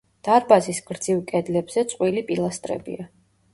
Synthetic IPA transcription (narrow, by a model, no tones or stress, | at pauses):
d̪̥aɾbazisɡɾd̪z̥ivkʼɛd̪lɛbz̥ɛt̪sʼqʼwilipʼilˠast̪ʼɾɛ̰bḭa